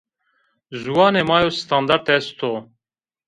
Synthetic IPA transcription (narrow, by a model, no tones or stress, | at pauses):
zuwɑːneːmɑːjoːst̪ʰɑnd̪ɑɾt̪ɛst̪ʰoː